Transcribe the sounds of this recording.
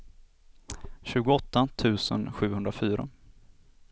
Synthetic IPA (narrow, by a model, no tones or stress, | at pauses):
ɕʉ̟ːɡʊɔt̪ːat̪ʰʉ̟ːsə̰nɧʉ̟ːhɵnd̪ɾafyːɾa̰